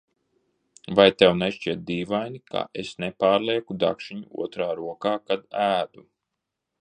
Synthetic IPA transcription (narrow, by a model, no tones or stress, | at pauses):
vajt̪ɛwneʃt͡ʃiɛt̪̚d̪iːvajnika̰ʔesnepaːɾlˠiɛkud̪a̰kʃiɲuṵɔt̪ɾaːɾuɔkaːkad̪æːd̪u